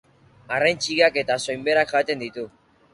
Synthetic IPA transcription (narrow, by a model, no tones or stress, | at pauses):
arajnt͡ʃiɣake̞t̪aso̞jmbe̞ɾakʝat̪e̞nd̪it̪u